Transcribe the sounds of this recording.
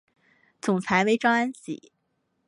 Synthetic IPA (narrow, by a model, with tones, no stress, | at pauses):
t͡sʊ˨˩ŋt͡sʰa˧˥ɪwe˧˥ɪʈ͡ʂɑ˥ŋa˥nt͡ɕḭ˨˩˦